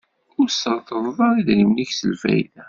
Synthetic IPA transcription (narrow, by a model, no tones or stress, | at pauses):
ʊɾsəɾˤθəðˤvˤɑɾiðimniçsə̰lfæ̰jðæ